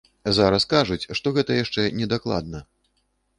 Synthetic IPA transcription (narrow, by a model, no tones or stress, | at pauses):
zaɾɐskaʐut͡sʲʂt̪ɔɣɛt̪ɐjaʂt͡ʂɛnʲɛd̪aklˠa̰d̪̚nɐ